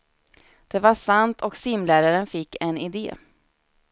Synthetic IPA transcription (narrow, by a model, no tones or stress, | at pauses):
d̪̥ɛvaʂant̪ʰɔksɪmlæːɾaɾənfɪkːɛnɪd̪ḛː